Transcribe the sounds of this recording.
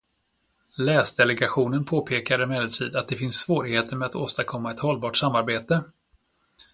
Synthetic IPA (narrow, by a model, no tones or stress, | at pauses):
lɛːsd̪ɛlɛɡaɧuːnənpʰoːpʰeːkaɾɪmɛd̪əlʈʰiːd̪at̪̚d̪ɛfɪnsvoːɾɪɡheːt̪ʰəɾmɛat̪oːst̪aɾkʰɔmːaɛt̪hɔlːbɑːʈsamːaɾbeːt̪ə